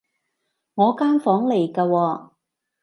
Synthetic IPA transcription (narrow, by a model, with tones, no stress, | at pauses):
ŋɔː˨˧kaː˥nfɔː˨˥ŋle˨˩jkaː˧wɔː˧